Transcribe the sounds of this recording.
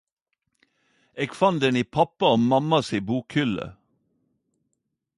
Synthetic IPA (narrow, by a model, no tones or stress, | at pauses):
eːɡfɑnd̪ɛniːpʰɑpɑoːmɑmɑsiːbuːkhʏlə̰